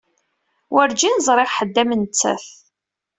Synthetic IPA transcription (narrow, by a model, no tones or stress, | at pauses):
wʔəɾd͡ʒinzˤɾˤeʁħəd̪ːæmənt͡sːæ̰θ